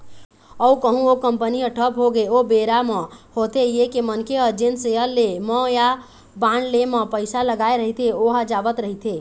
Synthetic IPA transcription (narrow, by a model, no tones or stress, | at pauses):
əukəɦũokəmpəniəʈʰəpɦoɡeobeɾamə̃hot̪ejekemənkʰeəd͡ʒenseəlːemə̃ja | banlemə̃pəɪsaləɡaeɾəɦit̪ʰeoɦad͡ʒaʋət̪ɾəɦit̪ʰe